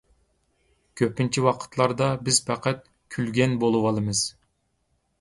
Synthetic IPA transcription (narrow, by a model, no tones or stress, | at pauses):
kʲʰøpint͡ʃʰiwɑqʰə̥t̪lˠɑɾd̪ɑbɪz̥pʰæqʰæt̪̚ | kʲʰylɡʲɛnbolˠuwɑlˠɨmɨz̥